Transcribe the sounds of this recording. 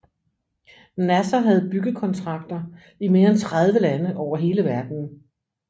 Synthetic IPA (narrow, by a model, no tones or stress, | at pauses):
næsɐɦæð̞̩ˠb̥yɡ̥əkʰɒ̽nt͡sʰʁɑ̈ɡ̥̚d̥ɐ | ime̝ːɐent͡sʰʁað̞ˠʋəlænəʔɒʊɐɦe̝ːləʋæɐd̥n̩